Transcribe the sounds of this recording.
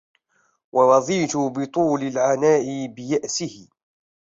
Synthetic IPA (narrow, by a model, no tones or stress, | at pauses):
wʔɑwɑðˤiːt̪ʊbɪt̪ˤuːlɪlʕanaːʔɪbɪjaʔsɪhɪ